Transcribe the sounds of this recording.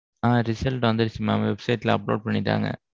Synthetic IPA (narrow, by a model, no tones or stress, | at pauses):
aːɾɪsɐlʈʋɐnd̪ɐɾɪt͡ʃːimːamʋɛbsɐɪʈlɐɐplo̰ːɖ̚pɐɳːɪʈːa̰ːŋɡɐ̰